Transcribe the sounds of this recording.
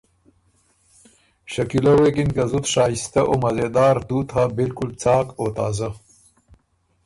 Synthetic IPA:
ɕɐkilowekinkɐzut̪ɕaːist̪ɐʔomɐzed̪aːɾd̪uːt̪habɪlkʊlt͡saːkoːt̪aːzɐ

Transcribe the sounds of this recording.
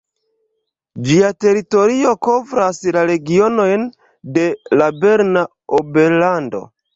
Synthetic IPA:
d͡ʒiate̞ɾito̞ɾio̞ko̞vɾaslaɾe̞ɡio̞no̞jn | de̞labe̞ɾna | obe̞ɾlando̞̰

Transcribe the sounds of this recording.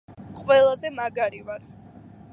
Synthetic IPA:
qʼwɛlˠazɛmaɡaɾivaɾ

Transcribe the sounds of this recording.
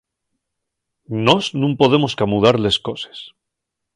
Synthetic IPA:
nosnũmpo̞ðe̞moskamuðaɾle̞sko̞se̥s

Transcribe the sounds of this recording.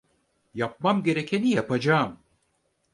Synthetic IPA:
jap̚mamɡʲeɾɛkʰenijapʰad͡ʒaːm

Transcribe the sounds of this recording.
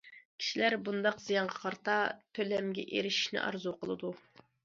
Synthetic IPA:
kʲʰi̥ʃilæɾbund̪ɑqz̥ijɑɴʁɑqʰɑɾt̪ɑt̪ʰølɛmɡʲɛ̰ʔeɾɪʃi̥ʃnɪ̰ʔɑ̰ɾzuqʰəlˠɨ̰d̪u

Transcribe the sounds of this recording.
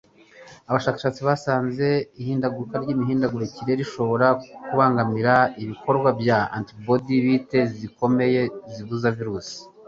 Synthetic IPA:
aβaʃaːkḁʃaːt͡siβasaːnze̞ihiːndaɡuɾukaɾɟiːmiɦiːndaɡuɾeciɾe̞ɾiʃo̞βo̞ɾakuβaːŋɡamiɾaiβikʰo̞ɾɡwabjaa̰ntibodiβite̞ziko̞me̞jeziβuzaviɾuːsi̥

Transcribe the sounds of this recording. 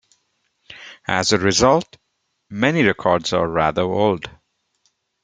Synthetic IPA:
ʔæ̰zəɹɪzʌlˠt | mɛniɹɛkʰɔɹdzəɹæ̰ðə˞oʊld

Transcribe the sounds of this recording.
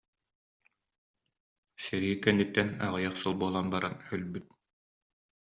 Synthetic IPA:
sɛɾikɛnːit̪ːɛnaʁɯjaχsɔlˠbuɔlˠanbaɾanœlbyt̪̚

